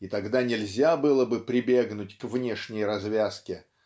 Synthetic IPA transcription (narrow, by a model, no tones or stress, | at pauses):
it̪ɐɡd̪anʲɪlʲzʲabɨlˠəbɨpɾʲɪbʲe̞ɡnʊtʲkvnʲe̞ʂnʲɪjɾɐzvʲaskʲɪ